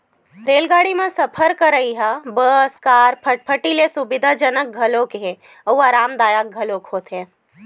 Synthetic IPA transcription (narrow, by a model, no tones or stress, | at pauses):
ɾeːlɡaːɽimẽsəpʰəɾkəɾəiɦabəskaːɾpʰəpʰəʈilesubɪd̪ʱad͡ʒənək̚ɡʱɐlõkeɦẽ | əuaːɾaːmd̪aːjaːk̚ɡʱəlokɦoːt̪ɦẽ